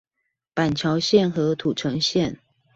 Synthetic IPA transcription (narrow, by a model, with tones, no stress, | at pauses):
pa˨˩nt͡ɕʰjɑ˧˦ʊɕjɛ˥˨nxɤ˧˥t̪ʰu˨˩ʈ͡ʂʰə˧˦ŋɕjɛ˥˨n